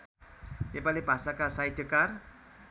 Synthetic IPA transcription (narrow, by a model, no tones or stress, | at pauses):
t̪epalebʱasakasajʈʰjʌkar